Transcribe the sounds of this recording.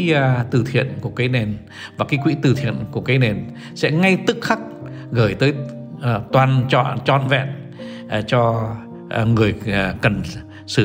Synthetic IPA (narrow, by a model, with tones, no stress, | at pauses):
t̪ɨ˧˩t̪ʰḭ˧˨ənku˧˩əkaː˨˦jne˨˩n | vaː˨˩kaː˨˦jkwḭ˧˥t̪ɨ˧˩t̪ʰḭ˧˨ənku˧˩əkaː˨˦jne˨˩n | sɛ̰˧˥ŋa˧jt̪ɨ˦˥k̚xa˦˥k̚ | ɣəː˧˩jt̪əː˨˦j | t̪waː˨˩nt͡ɕɔ̰˧˨t͡ɕɔ̰˧˨nvɛ̰˧˨n | t͡ɕɔ˧ | ŋɨ˨˩əjkə˨˩n | sɨ˧˩